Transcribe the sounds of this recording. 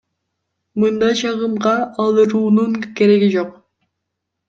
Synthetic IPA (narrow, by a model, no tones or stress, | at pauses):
mɯnd̪ɑjt͡ʃʰɑʁɯmʁɑːlˠɯɾuːnuŋke̞ɾe̞ɡid͡ʒo̞q